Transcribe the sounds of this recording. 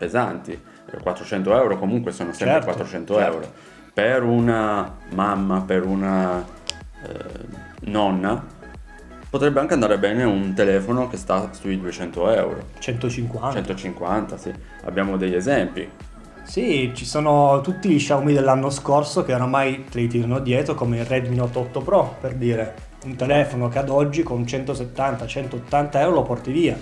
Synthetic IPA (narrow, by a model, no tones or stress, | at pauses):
pezant̪i | kwʔat̪ːɾot͡ʃɛnt̪oɛwɾokomuŋkwesoːnosɛmpɾekwat̪ːɾot͡ʃɛnt̪oɛwɾo̰ | peɾunamamːapeɾuna | nɔnːa | pot̪ɾɛbːeaŋkeand̪aːɾebɛːneunt̪elɛːfonok̟est̪asujd̪uet͡ʃɛnt̪oɛwɾo̰t͡ʃɛnt̪ot͡ʃiŋkwanɛnt̪ot͡ʃiŋkwa̰nt̪asḭ | a̰bːjaːmod̪eʎezɛmpḭ | sit͡ʃisoːnot̪ut̪ːiliʃawmid̪elːanːoskorsok̟eoɾamajt̪elit̪iːɾanod̪jɛːt̪ɾokomeirɛd̪minot̪ːɔt̪ːopɾɔperd̪iːɾe | unt̪elɛːfonok̟ead̪ɔd͡ʒːikont͡ʃɛnt̪oset̪ːant̪at͡ʃɛnt̪oot̪ːant̪aɛwɾolopɔrt̪iviːa